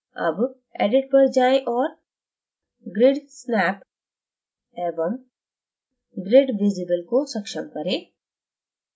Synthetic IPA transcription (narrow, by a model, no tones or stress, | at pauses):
ɐ̰b | ḛːɖɪʈ̚pɐɾd͡ʒaːẽʔɔːɾ | ɡɾɪɖsnɛːp | ɛːbəm | ɡɾeɖʋɪd͡ʒɪɡəlkosɐkʃəmkɐɾẽː